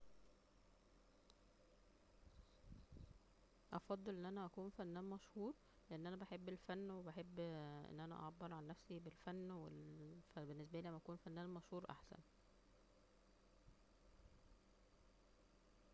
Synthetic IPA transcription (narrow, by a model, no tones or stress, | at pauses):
ʔɑfɑd̪ˤːelʔenːʔænæʔækuːnfænːæːnmɑʃhuːɾ | leʔenːʔænæbæħebːelfænːwebæħebːʔḛnːʔænæ̰ʔɑ̰ʕɑbːeɾʕanːæfsibelfænːwefbenːes̬bæliːʔæmːæʔækuːnfænːæːnmɑʃhuːɾˤʔa̰ħsæ̰n